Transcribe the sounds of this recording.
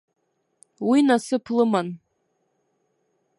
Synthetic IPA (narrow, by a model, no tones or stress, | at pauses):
winasɨpʰlɨman